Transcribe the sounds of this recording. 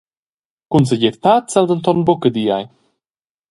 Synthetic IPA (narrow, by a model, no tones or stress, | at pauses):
kunsəɟɛɾt̪at̪t͡sald̪ənt̪ɔnbukəd̪ijaj